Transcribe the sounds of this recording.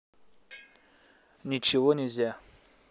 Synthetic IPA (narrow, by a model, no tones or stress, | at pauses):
nʲɪt͡ɕɪvonʲɪzʲa